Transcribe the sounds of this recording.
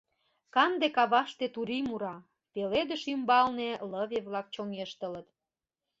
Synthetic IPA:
kɑnd̪ekɑβɑʃt̪et̪uɾimuɾɑ | peled̪əʃymbɑlneləβeβlɑk̚t͡ɕoŋeʃt̪ələt̪

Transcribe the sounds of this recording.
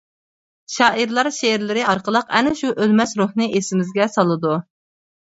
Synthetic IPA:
ʃɑːʔiɾlˠɑɾʃeɾlɪɾɪʔɑɾqəlˠəqɛnɪʃuʔølmɛsɾuhnɨʔesɪmɪzɡʲɛsɑlˠɨd̪u

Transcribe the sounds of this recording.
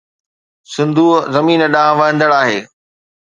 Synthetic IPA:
sɪ̃nd̪ʱuːzɐmiːnəɗãːɦʋɐɦə̃nd̪əɽaːɦeː

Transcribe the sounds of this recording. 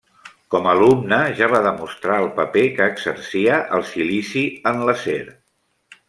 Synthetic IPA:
kɔməlumnəʒaβaðəmust̪ɾaəlˠpəpekəːɡzə̰ɾsiəʔəlˠsilisiənləsḛɾ

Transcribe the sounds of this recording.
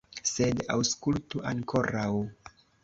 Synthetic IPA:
se̞da̰wskultuʔaŋkʰo̞ɾaw

